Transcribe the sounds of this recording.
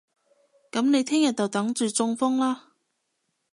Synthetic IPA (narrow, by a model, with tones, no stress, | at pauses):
kɐ˨˥mne˨˧jt̪ʰɛː˥ŋjɐ˨t̚t͡sɐ˨wt̪ɐ˨˥ŋt͡ʃyː˨t͡sʊ˧ŋfʊ˥ŋlaː˥